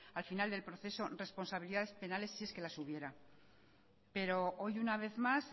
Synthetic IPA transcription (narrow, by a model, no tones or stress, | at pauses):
alfinald̪e̞lpɾoθe̞so̞re̞spo̞nsaβiliðaðe̞spe̞nale̞sːie̞ske̞lasuβje̞ɾa | pe̞ɾo̞ʔojunaβ̞e̞θmas